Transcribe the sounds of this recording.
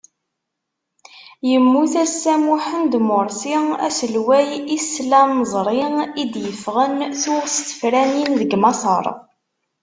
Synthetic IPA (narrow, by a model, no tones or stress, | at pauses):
jəmːuθæsːæmuħənd̪mʊɾˤsiæsəlwæjisːlænəzˤɾˤɪid̪jəfʁənθʊʁst̪ə̥fɾæninðəɡmɑsˤə̰ɾˤ